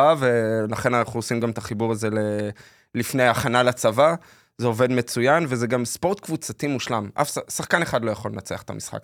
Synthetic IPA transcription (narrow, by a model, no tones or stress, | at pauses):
avelaχe̞nanaχuosimɡamet̪aχibuʁaze̞le | lifnejaχanalat͡sava | zeo̞ve̞d̪me̞t͡sujanveze̞ɡamspo̞ʁt̪kvut͡sat̪imuʃlamʔa̰fsasaχkane̞χadlo̞jaχo̞lenat͡seaχe̥t̪a̰misχa̰k